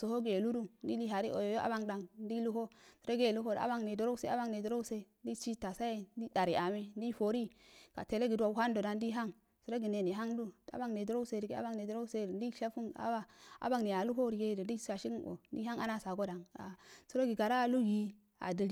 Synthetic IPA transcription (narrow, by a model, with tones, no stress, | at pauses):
so˨ho˦ɡe˨lu˦ɾu˦di˦li˦ɦa˨ɾi˦ʔo˨jjo˦ʔa̰˦ba˦ŋda˨ŋdi˦lu˦ɦo˦su˨ɾo˦ɡe˦˨lu˦ko˦da̰˦ba˦ŋne˨do˨ɾo˦se˦a˦ba˦ŋne˨du˨ɾo˦u˦se˦di˦t͡ʃi˦ta˨sa˦je˦n˦di˦da˨ɾi˨ʔa˨me˦ndi˦fo˨ɾi˦ka̰˨te˨le˦ɡi˨du˦a˨wu˦ha˦n˦do˨da˨ndi˦ɦa˦ŋ | su˨ɾo˦ɡi˨ne˨ne˨ɦa˦ŋdu˦a̰˦ba˦ŋne˨do˦ɾo˦se˨ɾi˨ɡe˦a̰˦ba˦ŋne˨do˨˦ɾo˦se˦˨di˦ʃa˦fu˦na̰˦a˦a̰˦ba˦ŋne˨a˨lu˦ɦo˦ɾi˨ɡe˦˨ddi˦a˨ʃi˦o̰˨˦di˦ɦa˦ŋa˦na˦sa˨ɡo˦da˨ŋa̰˨su˦ɾo˦ɡi˨ɡa˨ɾa˦˨lu˦ɡi˨ | a̰˨di˨ɾ